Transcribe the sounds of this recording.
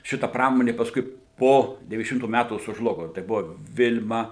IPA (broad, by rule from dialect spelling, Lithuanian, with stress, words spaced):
ˈʃʲɪtɐ ˈprɑːmoːnʲeː pɐsˈkʊɪ ˈpoː dʲɛʋʲiːnʲɛzʲdʲɛˈʃʲɪmtuː ˈmʲætuː sʊʒˈlˠʊɡoː tɐɪ ˈbʊʋoː ˈʋʲɪlʲmɐ